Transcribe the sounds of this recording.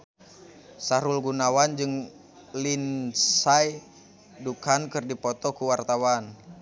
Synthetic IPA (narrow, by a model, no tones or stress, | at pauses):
saɾulɡunawand͡ʒɨŋ | linsaj | dukankɨrdipɔt̪ɔkuwart̪awan